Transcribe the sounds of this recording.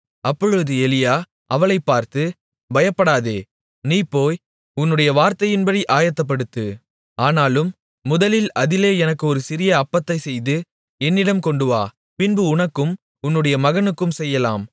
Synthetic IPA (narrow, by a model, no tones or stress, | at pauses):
ɐpːɔɻɯʋðɯɛlɪjaː | ʔɐʋɐɭɐɪpːaːɾt̪ɯ | bɐjɐpːɐɽaːðeː | niːpːoːj | ʊnːɯɽɐjɐʋaːɾt̪ɐjɪnbɐɽiʔaːjɐt̪ːɐp̬ːɐɽɯt̪ːɯ | aːnaːlɯmː | ʊðɐlɪlɐðɪleːɛnɐkːɯɔɾɯsɪɾɪjɐːpːɐt̪ːɐɪsɛjðɯ | ɛnːɪɽɐmkɔɳɖɯʋaː | pɪnbɯʊɳɐkːɯm | ʊnːɯɽɐjɐmɐɣɐnɯkːɯmsɛjːɐlaːm